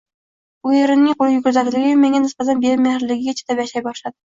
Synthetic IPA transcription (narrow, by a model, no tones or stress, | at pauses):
ʊjeɾɪnːɪŋqolˠɪjʊɡʲʊɾzat̪ɪlɪɡʲɪjʊmeŋʲanɪsqazanbeɪmehɪɾlɪɡʲɪɡʲat͡ʃʰe̥t̪ʰapjaʃajbɒʃlˠad̪ɪ